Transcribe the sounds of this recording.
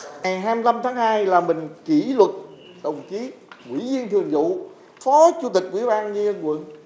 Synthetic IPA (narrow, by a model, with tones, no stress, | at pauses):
ʔɛː˨˩ɦaː˧mɨ˧la˧mt̪ʰaː˨˦ŋhaː˧jlaː˨˩mï˨˩ŋ̟ki˧˩lwə˨˩t̚ | ɗə˨˩wŋ͡mt͡ɕi˨˦kwḭ˧˩zi˧ənt̪ʰɨ˨˩əŋzṵ˧˨ | fɔ˨˦t͡ɕu˧˦t̪ï˨˩k̟̚ʔwḭ˧˩˦ɓaː˧nɲi˧ə˧nkwḭ˧˩˨n